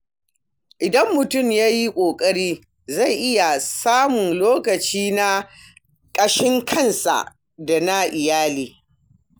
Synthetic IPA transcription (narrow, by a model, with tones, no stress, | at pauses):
ʔɪ˨dɐ˦mːʊ˨tʊ˦˨mjaː˦ji˦kʷʼoː˨kʼɐ˦ɽiː˦ | za˦˨jʔɪ˦ja˨saː˦mʊ˨nloː˦kɐ˨t͡ʃiː˦na˦ | kʼɐ˦ʃɪ˦ŋkʰɐ˦˨nsa̰˨ | da˨na˦ʔɪ˨jaː˦liː˨